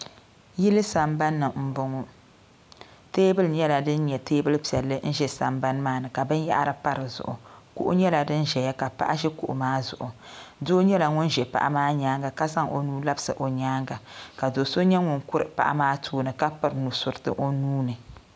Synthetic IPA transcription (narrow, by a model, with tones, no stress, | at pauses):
ji˦lɨ˦sa˨mba˦nːɨ˨m̩˦bʊ˨ŋo˦ | teː˦bɨ˦lɲɛ˦la˨dɨ˦n˦ɲɛ˨teː˦bɨ˦lpi˨ɛ˨lːɨ˦n̩˦ʒɛ˦sa̰˨mba˦n˦maː˦nɨ˨ka˨bɨ˦n˦ja̰˦ʔɾɨ˨pa˦ɾɨ˨zʊ̰˨ʔʊ̰˨kṵ˦ʔʊ̰˦ɲɛ˦la˨dɨ˦n˦ʒɛ˨ja˦ka˨pa̰˦ʔa˦ʒɛ˦kṵ˨ʔʊ̰˨maː˦zʊ̰˨ʔʊ˨doː˦ɲɛ˦la˨ŋʊ˦nʒɛ˨pa̰˦˨ʔa̰˦maː˦ɲaː˦ŋɡa˨ka˦za˦ŋʔo˨nuː˦la˦bɨ˦sɨ˨ʔo˨ɲaː˦ŋɡa˨ka˨do˨so˦ɲɛ˦ŋʊ˦˨ŋkʊ˦ɾɨ˨pa̰˨ʔa̰˦maː˦tʰoː˦nɨ˨ka˦pɨ˦ɾnu˨sʊ˨ɾɨ˨tɨ̰˦ʔo˦nuː˦nɨ˨